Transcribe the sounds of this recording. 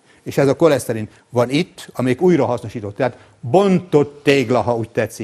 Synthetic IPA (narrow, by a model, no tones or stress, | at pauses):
eːʃɛzɒko̞lɛsɛɾint̪ | ʋɒnit̪ːɒmɛjikuːjrɒɦɒsno̞ʃiːt̪o̞t̪ːɛɦat̪ | bont̪o̞t̪ːeːɡlɒɦɒuːc̚t̪ɛt̪si